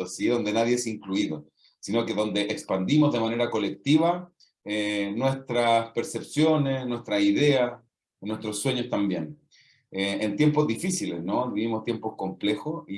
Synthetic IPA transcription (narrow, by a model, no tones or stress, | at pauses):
osiðo̞nd̪enaðjeesiŋkluiðo | sino̞keðo̞nd̪e̞ʔekspand̪imozðe̞mane̞ɾako̞le̞k̚t̪iβa | enwe̞st̪ɾaspe̞ɾse̞psjo̞ne̞snwe̞st̪ɾasiðe̞as | nwe̞st̪ɾosːwe̞ɲost̪ambje̞n | eent̪je̞mpo̞zðifisilesnoβiβimo̞st̪jempo̞sko̞mple̞xosi